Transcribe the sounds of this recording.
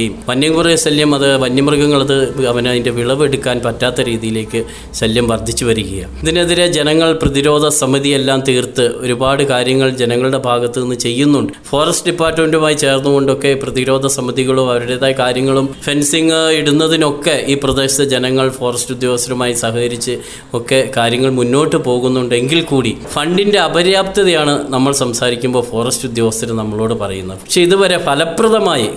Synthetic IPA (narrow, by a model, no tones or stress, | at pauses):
ɐjumʋɐnjɐŋkurɐjsɐljɐmɐðɨʋɐnjɐmrɡɐŋːɐɭɐðɨɐʋɐninde̞ʋiɭɐʋe̞ɽukːaːnpɐtːaːt̪ːɐɾiːðijile̞ːkːɨ | ɕɐljɐmʋɐrd̪ʱit͡ɕːuʋɐɾuɣɐja̰iðineðiɾed͡ʑenɐŋːɐɭprɐðiɾo̞ːd̪ʱɐsɐmɐðijelːaːmt̪iːrt̪ɨo̞ɾubaːɽɨkaːɾjɐŋːɐɭd͡ʑe̞nɐŋːɐɭɨɽe̞bʱaːɡɐt̪ːɨenːɨt͡ɕe̞jːunːuɳɖɨfo̞ːrɐsʈɨɖipːaːrtːme̞ndumaːjit͡ɕe̞ːrnːuɣo̞ɳɖo̞kːe̞prɐðiɾo̞ːd̪ʱɐsɐmɐðiɣɐɭuɐʋɐɾuɽe̞ːðaːjkaːɾjɐŋːɐɭumfe̞nsiŋiɽunːɐðino̞kːe̞iːprɐd̪e̞ːɕiðɐd͡ʑenɐŋːɐɭfo̞ːrɐstud̪jo̞ːʋɐst̪ɐɾɐmaːjisaːɦɐkɐɾit͡ɕːɨ | o̞kːe̞kaːɾjɐŋːɐɭmunːo̞ːʈːɨpo̞ːɣunːuɳɖɨeŋɡilkuːɽifɐɳɖinde̞ɐbɐɾjaːpt̪ɐðɐjaːɳɨnɐmːɐɭsɐmsaːɾikʲːumbo̞ːfo̞ːrɐstud̪joːʋɐst̪ɐɾɐmnɐmːɐɭo̞ːɽɨpɐrɐjunːɐðɨpɐkʂe̞iðuʋɐɾe̞pʰɐlɐprɐðɐmaːji